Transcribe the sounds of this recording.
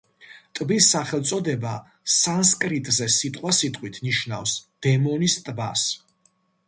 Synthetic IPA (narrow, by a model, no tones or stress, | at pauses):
t̪ʼbisːaχɛlˠt̪sʼɔd̪ɛba | sanskʼɾit̪ʼzɛsit̪ʼqʼwasit̪ʼqʼwit̪ʰniʃna̰fsd̪̥ɛmɔnist̪ʼbas